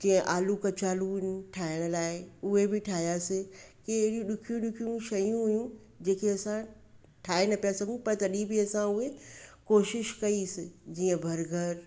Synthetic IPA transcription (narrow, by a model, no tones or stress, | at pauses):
d͡ʑɐ̃ə̃ʔaːlukɐt͡ʃaːlunʈʰaːɪəɽ̃laːɪʊɦebɪʈʰaːijasɪkieɽĩɗʊkʰijũɗʊkʰijũʃɐjũɦʊjũ | d͡ʑẽːkʰeɐsã | ʈʰaːenɐpijasɐɡʱũpɐɾt̪ɐɗibiɐsãʊɦekoːʃɪʃkɐisɪd͡ʑiːə̃bʱɐɾɡʱɐɾ